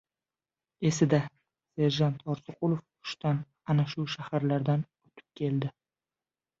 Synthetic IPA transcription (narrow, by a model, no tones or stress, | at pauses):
e̞sɪd̪a | se̞ɾʒant̪ʰɒɾsʊqʰʊlˠof | ʊ̥ʃt̪an | anaʃʊʃahaɾlaɾd̪an | ot̪ʰɪ̥p̚kʲʰe̞ld̪ɪ